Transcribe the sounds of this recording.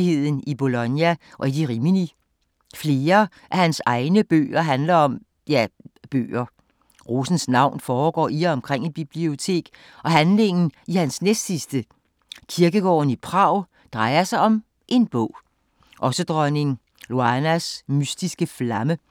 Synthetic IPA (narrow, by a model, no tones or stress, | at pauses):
ihe̝ð̰ˠn̩ib̥o̝lɔnjæʔɒ̽id̥iʁimini | fle̝ːɐ | ʔæhænsɑ̈ɪnəb̥ø̰ːɐɦænlɐɒ̽m | jæb̥ø̰ːɐ | ʁo̝sn̩snɑ̈ʊ̰nfɒːɡ̥ɒ̰ːiɐɒ̽mkʰʁeŋ̰ib̥ib̥lio̝t͡sʰe̝̰ːɡ̥ | ɒ̽ɦænle̝ŋn̩ihænsnesd̥sisd̥ə | kʰiɐɡ̥əɡ̥ɒ̰ːn̩ipʰʁɑ̈ʊ̰ | d̥ʁɑ̈ɪɐsɑ̈ɪɒ̽m | ʔe̝nb̥ɔ̰̽ʊ̰ | ʔɒ̽səd̥ʁɒne̝ŋ | lo̝ænæsmysd̥isɡ̥əflɑmə